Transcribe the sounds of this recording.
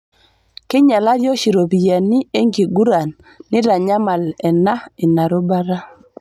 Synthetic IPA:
kɪ˦ɲa˨la˦ɾjɔ˦ʃi˨ɾo˨bi˨ja˨ni˦e˦ŋɡi˨ɡu˦ɾa˨nː | ɪ˦ɾa˨ɲa˦ma˨lɛ˨na˦ɪ˨na˨ɾo˦ba˦ɾa˦

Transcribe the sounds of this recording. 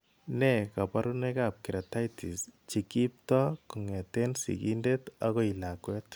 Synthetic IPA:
nɛka˨paɾu˦nɛkap̚ki˨ɾa˨ta˦jti˨st͡ʃi˨ki˦p̚tɔ˦ku˨ŋɛ˨tensḭ˨ɡḭ˦ndetaɣɔ˦ilakwɛt

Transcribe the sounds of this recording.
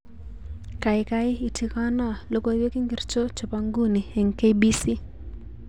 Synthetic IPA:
ka˨ɪka˦ɪ˦i˨tʰi˨ka˦na˨lo˦ko˦we˦ki˦ŋɡi˦ɾt͡ʃo˦t͡ʃo˨pa˦ŋɡu˦ni˨ɛ˨ŋke˦jbi˦si˦

